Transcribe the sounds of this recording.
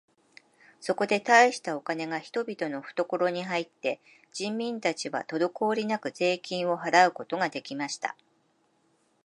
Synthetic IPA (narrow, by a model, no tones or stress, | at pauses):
so̞ko̞d̪e̞t̪aiɕi̥t̪ao̞kane̞ɡaçi̥t̪o̞bʲit̪o̞no̞ɸɯ̥t̪o̞ko̞ɾo̞ɲ̟iɦait̪ːe̞ | d͡ʑĩmːʲĩnt̪at͡ɕiβa̰t̪o̞d̪o̞ko̞ːɾʲinakɯ̟ze̞ːkʲĩɰ̃o̞ɦaɾaɯ̟ko̞t̪o̞ɡad̪e̞kʲimaɕi̥t̪a̰